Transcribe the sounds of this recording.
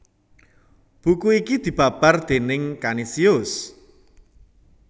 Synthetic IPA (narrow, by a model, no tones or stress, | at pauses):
b̥ukuikid̪̥i̤b̥a̤b̥ard̪̥e̤nɪŋkanisiʊs